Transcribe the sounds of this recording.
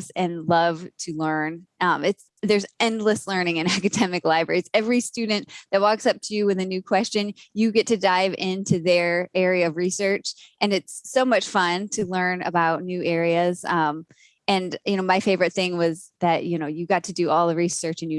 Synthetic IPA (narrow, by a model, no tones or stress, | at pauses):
sɨ̃nlʌv̥tʰɨlɜ̃˞nʌ̃mɨts | ðə˞zɛ̃ndˡləslɜ̃˞nɪ̃ŋɨ̃nækɨdɛmɨklaɪbɹɛ̰ɹiz̥ɛvɹistʉdⁿn̩tðɨt̚wɔksʌp̚tʰɨjɨwɨðɨnʉkʰw̥ɛst͡ʃɨ̃njɨɡɛtʰɨdaɪvɪ̃ntʰʉðə˞ɛɹiɨʌvɹisɜ˞t͡ʃʔɨ̃nɨtsːoʊmʌt͡ʃfʌ̃ntʰɨlɜ̃˞nɨ̰baʊtⁿnʉʔɛɹiɨz̥ʌ̃m | ɨ̃njɨnoʊmaɪfeɪvə˞ɨt̪̚θɪ̃ŋwʌz | ðɨʔ̚jɨnoʊjɨɡɑtʰɨdɨʔɔlˠɨvɹisɜ˞t͡ʃɨ̃n̩jɨ